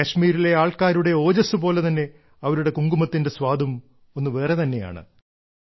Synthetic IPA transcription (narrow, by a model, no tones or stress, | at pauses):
kɐɕmiːɾile̞aːɭkaːɾuɽe̞o̞ːd͡ʑɐsɨpo̞ːle̞t̪ɐnːe̞ | ɐʋɐɾuɽe̞kuŋɡumɐt̪ːinde̞sʋaːd̪ʱum | o̞nːɨʋe̞ːret̪ɐnːe̞ja̰ːɳɨ̰